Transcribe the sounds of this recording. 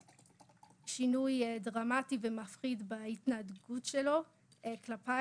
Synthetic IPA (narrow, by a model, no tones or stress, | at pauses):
ʃinujedʁamativemafχidbaitnadɡutʃelo̞ | eklapa